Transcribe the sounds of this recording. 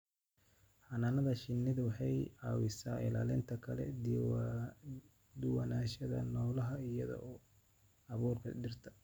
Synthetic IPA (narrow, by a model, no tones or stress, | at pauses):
ħɑnaːnɐðɐʃɪnːɪðɐwɑħɑjʕɑːwɪsaːɪ̰laːlɪnt̪ʰɐkʰɐlɛ̰ | d̪ʊwɐnaːʃɐðɐ̰nɔːlɐɦɐɪjɐðɔ̰ʔɔː | ɑβuːrkʰɐd̪ɪrt̪ʰɐ̥